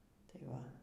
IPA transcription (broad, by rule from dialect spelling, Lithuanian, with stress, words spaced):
ˈtɐɪ ʋɐ